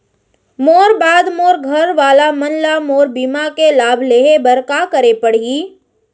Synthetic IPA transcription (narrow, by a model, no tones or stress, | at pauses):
moːɾbaːd̪moːɾɡʱɐɾʋaːlamɐnlamoːɾbiːmakelaːbʱleːɦebɐɾkakəɾepəɽ̤iː